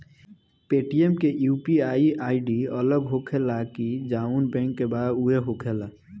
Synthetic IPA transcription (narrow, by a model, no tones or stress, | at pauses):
peʈiemkejupiaiaiɖiələɡɦokʰelakid͡ʒaunbɛ̃ŋkːebad̪ueɦokʰela